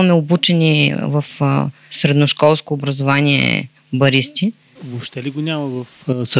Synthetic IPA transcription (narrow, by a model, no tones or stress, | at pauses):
mɛobut͡ʃɛnivəf | sɾɛd̪noʃkɔlˠskoːbɾɐzovanʲiɛ̰ | bɐɾist̪i | vopʃt̪ɛliɡonʲamɐvɐfs